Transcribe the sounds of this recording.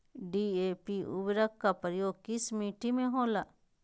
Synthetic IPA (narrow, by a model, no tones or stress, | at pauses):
ɖiepiṵbɾakːapəɾjokismiʈimẽɦõlaʔ